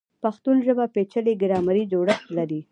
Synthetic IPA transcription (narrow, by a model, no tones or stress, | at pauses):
paxt̪unʒəbapet͡ʃəleɡɪɾɑmaɾid͡ʒoɽəxt̪laɾi